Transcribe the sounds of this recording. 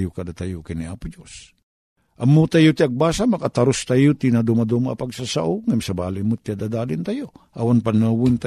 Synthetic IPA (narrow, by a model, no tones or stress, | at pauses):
jokad̪at̪ajokaniaːpʊd͡ʒos | ʔɐmːot̪ajot̪iaɡ̚baːsamakat̪aɾost̪ajot̪inad̪umad̪omapaɡsasa̰ʔoŋɪmsabaːlɪmʊt̪iad̪ad̪aːlɪnt̪ajoʔawanpanawʊnt̪a